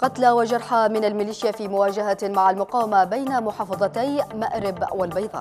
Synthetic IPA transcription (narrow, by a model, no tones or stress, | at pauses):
qɑt̪lawad͡ʒɑɾˤħamɪnalmɪliːʃjafiːmʊwaːd͡ʒaɦamaʕalmʊqɑːwamabajnamʊħɑːfɑðˤɑt̪ajmaʔɾɪbwalbɑjðˤɑ̰ː